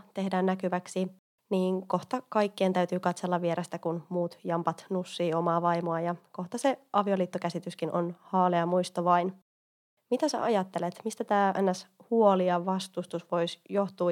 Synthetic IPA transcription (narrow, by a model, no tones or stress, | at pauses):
t̪e̞hdæːnːækyʋæksi | niːŋko̞ht̪ɑkɑjkːeːnt̪æɥt̪yːkɑt̪se̞lːɑʋie̞ɾest̪ækunmuːt̪jɑmpɑt̪nusːiːo̞mɑːʋɑjmoɑjɑko̞ht̪ɑse̞ʔɑʋio̞liːt̪ːok̟æsit̪yskinʔo̞̰nhɑːleɑmujst̪oʋɑjn | mit̪æsæ̰ʔɑjɑt̪ːe̞let̪mist̪æt̪æːʔenːæshuo̞liɑʋɑst̪ust̪usʋo̞jsjo̞ht̪uː